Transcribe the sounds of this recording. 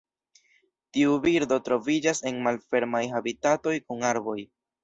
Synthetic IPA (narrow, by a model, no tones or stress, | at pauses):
tiubiɾdo̞tɾo̞vid͡ʒase̞nmalfe̞ɾmajɦabitato̞jkuŋaɾbo̞j